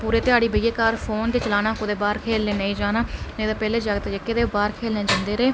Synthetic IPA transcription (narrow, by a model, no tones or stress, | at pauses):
puːɾeːt̪ɪaːɽiːbəːjeːkaːɾpʰoːnd̪eːt͡ʃəlaːnaːkʊd̪eːbaːɾkʰeːlneːnəĩːd͡ʒaːnaːnẽːd̪aːpɛːleːd͡ʒaɡt̪ːd͡ʒəkːeːd̪eːbaːɾkʰeːlnẽːd͡ʒə̃nd̪eːɾeː